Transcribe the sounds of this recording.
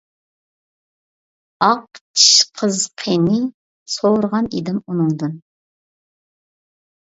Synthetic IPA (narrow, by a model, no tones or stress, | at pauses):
ɑq̚t͡ʃʰi̥ʃqʰəzqʰenɪ | sowɾʁɑnid̪ɪmunɨŋd̪ɨn